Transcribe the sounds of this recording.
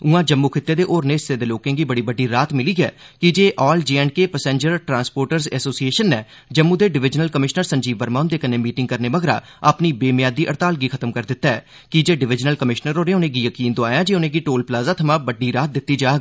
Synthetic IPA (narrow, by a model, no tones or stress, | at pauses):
ʊãːd͡ʒəmːuːkʰɪt̪ːeːd̪eːʔoːɾneːɪseːd̪eːloːkẽːɡiːbəɽiːbəɖːiːɾaːt̪mɪliːɡɛ̰ː | kɪd͡ʒeːʔɔːld͡ʒiːɛnɖkeːpəsẽːɲd͡ʒəɾʈɾãːnspoːɾʈəɾzɛːsoːsieːʃənːɛː | d͡ʒəmːũːd̪eːɖɪʋɪd͡ʒnəlkəmɪʃnəɾsəɲd͡ʒiːʋbəɾmaːnd̪eːkəneːmiːʈɪŋɡ̚kəɾneːʋəɡɾa̰ː | apniːbeːmjaːd̪iːʔəɾt̪aːlɡiːkʰət̪əmkəɾd̪ɪt̪ːaːɛː | kɪd͡ʒeːɖɪʋɪd͡ʒnəlkəmɪʃnəɾoːnẽːʊnẽːɡiːjəkiːnd̪oaːjãːd͡ʒeːʊnẽːɡiːʈoːlplaːzaːt̪ʰəmãːbəɖːiːɾaːt̪̚d̪ɪt̪ːiːd͡ʒaːɡ